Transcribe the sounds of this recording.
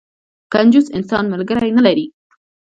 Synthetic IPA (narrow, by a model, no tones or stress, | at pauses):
kand͡ʒʊsɪnsɑnmalɡəɾajnalaɾi